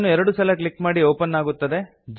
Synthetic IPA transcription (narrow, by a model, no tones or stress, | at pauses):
nuɛɾɐɽusɐlɐkɭikːmaːɽioːpɐnːaːɡut̪ːɐd̪e | d͡ʒ